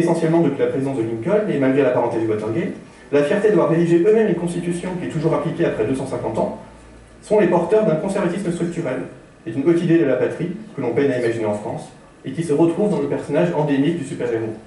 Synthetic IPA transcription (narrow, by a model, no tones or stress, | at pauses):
esɑ̃sjɛlmɑ̃d̪əpɥilapχezizɑ̃sd̪əliŋkɔlemalɡʁelapaʁɑ̃t̪ed̪ywat̪ɛʁɡɛt̪ | lafjɛʁt̪ed̪avwaʁːed̪iʒeʔømɛmynkɔ̃st̪it̪ysjɔ̃kʲiɛt̪uʒuʁaplikʲeapχɛd̪øsɑ̃sɛ̃kɑ̃t̪ɑ̃ | sɔ̃lepɔʁt̪œʁd̪ɛ̃kɔ̃sɛʁvat̪isməst̪χyk̚t̪yʁɛl | ed̪ynot̪id̪ed̪əlapat̪χikəlɔ̃pɛɲaimaʒineɑ̃fχɑ̃s | ekʲisəʁət̪χuvd̪ɑ̃ləpɛʁsɔnaʒɑ̃d̪emik̚d̪ysypɛʁeʁo